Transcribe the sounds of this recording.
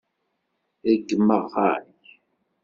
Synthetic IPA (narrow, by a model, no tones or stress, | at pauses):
æɡːəmːəʁa̰ç